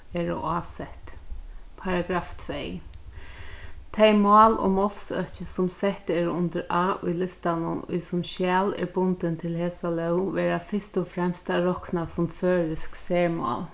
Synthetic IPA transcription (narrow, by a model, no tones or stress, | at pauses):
ɛːɾɔ̰aːsɛht̪pʰaɾaɡɾaːft̪ʰvej | t̪ʰejmɑːlɔ̰mɔl̥sœ̰t͡ʃɪsʊmsɛht̪ɛːɾʊnt̪ɪɾʔaːʔʊ̰jlɪst̪anʊ̰nʊ̰jsʊmʃjɛːlɛ̰ɹbʊnt̪ɪnt̪ʰɪlheːsalœwʋɛːɾafɪst̪ʊfɾɛmst̪aɾɔhknasʊmføːɹɪsksɛːɹmɔ̰ːl